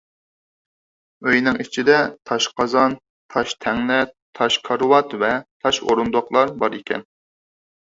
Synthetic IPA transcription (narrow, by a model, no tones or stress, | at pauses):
øjnɪŋit͡ʃʰid̪ɛt̪ʰɑʃqʰɑzɑn | t̪ʰɑʃt̪ʰɛŋlɛt̪ʰɑʃkʰɑɾɨwɑt̪vɛt̪ʰɑʃo̰ɾund̪oqlˠɑɾbɑɾikʲʰɛ̰n